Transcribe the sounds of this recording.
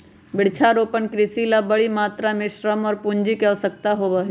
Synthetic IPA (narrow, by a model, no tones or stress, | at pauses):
bɪɽ̤t͡ʃʰaɾoːpənkɾɪsilabɐɽimaːt̪ɾamẽʃɾəmɔːɾpʊ̃ɲd͡ʒikɛsək̚t̪aɦobɐɦi